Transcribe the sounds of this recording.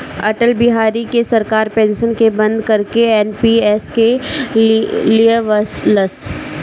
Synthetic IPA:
ɐʈəlbɪɦaːɾikesɐɾkaːɾpẽːnʃənkebɐ̃nd̪kɐɾkeɛːnpiɛːske | lijeʋəsləs

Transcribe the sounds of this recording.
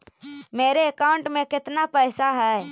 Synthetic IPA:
meːɾeəkaːʊ̃ɳʈmẽkɪt̪napɛːsaɦɛː

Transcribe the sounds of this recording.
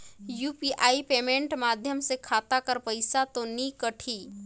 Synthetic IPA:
juːpiʔaːipeːmẽːɳʈmaːd̪ʱjəmsekʰaːt̪akəɾpəɪsat̪onikəʈʰiː

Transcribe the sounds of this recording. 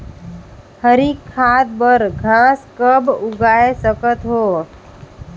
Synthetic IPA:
həɾiːkʰːaːd̪̚bəɾɡʱãːskəbʊɡaːesəkət̪ɦoː

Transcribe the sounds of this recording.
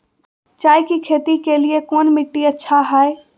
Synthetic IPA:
t͡ʃaːjkikʰeːt̪ikeliekɔːnmɪʈːiɐtːʃʰaɦaːe

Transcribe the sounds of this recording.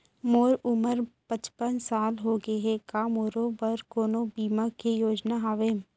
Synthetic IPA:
moːɾʊməɾpət͡ʃpənsaːlɦoːɡeɦɛkaːmoːɾõbɐɾkoːnobiːmakejoːd͡ʒnaɦaːʋeː

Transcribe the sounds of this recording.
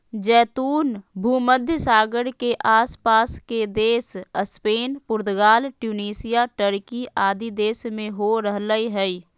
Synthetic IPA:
d͡ʒɛːt̪uːnbʱuːməd̪ʱjəsaːɡəɽkeʔaːspaːsked̪eːsəspeːnpʊɾd̪ɡaːlʈjuːniːsijaʈəɾkiaːd̪id̪eːsmẽɦoɾəɦləiɦɛi

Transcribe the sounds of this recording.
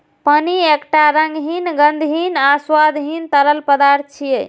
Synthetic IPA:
pəniekʈaɾəŋɡɦinɡənd̪ʱɦinaswad̪ʱɦint̪ələlpəd̪aɾt̪̚t͡ʃʰije

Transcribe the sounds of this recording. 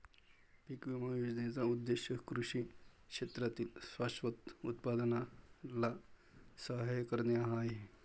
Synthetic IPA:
pikʋimajud͡ʒnet͡saud̪ːeʃjəkɾuʂi | kʂet̪ɾat̪iːlsʋaʃʋət̪ut̪pad̪ənala | saɦɐjkəɾneaɦaːe

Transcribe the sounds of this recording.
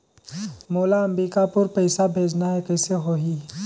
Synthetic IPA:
moːlaɐ̃mɾiːkapʊɾpɐɪsabʱeːd͡ʒnaɦɛkɛːseɦoɦiː

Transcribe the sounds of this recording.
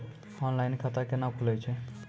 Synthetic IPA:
ɔnlajnkʰat̪akenakʰulet͡ʃʰe

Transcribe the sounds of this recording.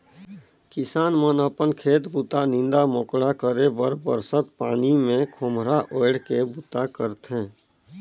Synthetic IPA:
kɪsaːnmənəpənkʰeːt̪bʊt̪anɪ̃nd̪amoːkɽakəɾebəɾbəɾsət̪paːnimẽkʰʊmɾaʔoːɪɽkebut̪akəɾt̪ɦɛ̃ː

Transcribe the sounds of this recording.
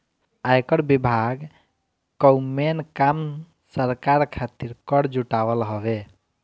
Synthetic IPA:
ajkəɽbibʱaɡ | kəwmenkam | səɾkaɾkʰat̪iɾkəɽd͡ʒuʈawəlɦɔbe

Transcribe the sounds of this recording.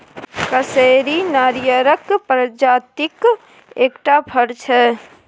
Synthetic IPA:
kəseːɾinaːɾjəɾəkpɾəd͡ʒaːt̪ɪk | eːkʈapʰəɾt͡ʃʰɛ

